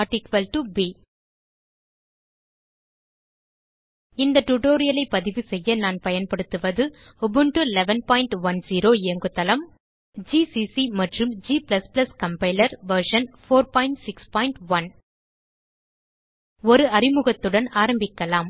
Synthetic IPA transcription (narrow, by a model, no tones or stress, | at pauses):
ɾʈɪkʋɐlʈubiː | ɪnd̪ɐʈʊʈoːɾɪjɐlɐɪpːɐðɪʋɯsɛjːɐnaːnpɐjɐnpɐɽɯt̪ːɯʋɐðɯ | bɯɳʈɯlɛʋɐnpaːɪɳʈʋɐnsiːɾoːɪɐŋɡɯt̪ːɐlɐm | d͡ʒiːsisimɐʈrɯmd͡ʒiːplɐsplɐskɐmpɐɪlɐɾʋɐɾʂɐnfoːɾpaːɪɳʈsɪkspaːɪɳʈʋɐn | ɔɾɯɐɾɪmɯɣɐt̪ːɯɽɐnaːɾɐmbɪkːɐlaːm